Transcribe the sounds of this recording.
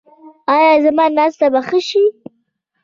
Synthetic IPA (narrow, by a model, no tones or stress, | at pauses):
ɑjɑzamɑnɑst̪abaxəʃi